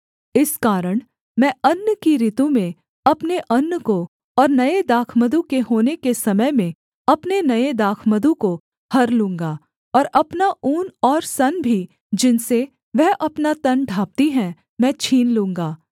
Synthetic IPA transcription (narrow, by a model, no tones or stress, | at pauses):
ɪskaːɾəɽ̃ | mɛ̃ːɐnːkiɾɪt̪ũmẽ | ɐpneʔɐnːəko | ɔːɾnɐed̪aːkʰməd̪ũkeɦoːnekesɐməjmẽ | ɐpnenɐed̪aːkʰməd̪ũko | hɐɾlũːŋɡaː | ɔːɾɐpnaʔuːnɔːɾsɐnbʱi | d͡ʒɪnse | ʋɛɦʔɐpnat̪ɐnɖʱaːp̚t̪iɦɛ̃ | mɛ̃ːt͡ʃʰiːnlũːŋɡaː